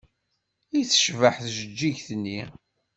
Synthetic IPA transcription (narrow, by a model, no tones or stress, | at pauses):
iθə̥ʃvəħθʒəd͡ʒːiʝθənːi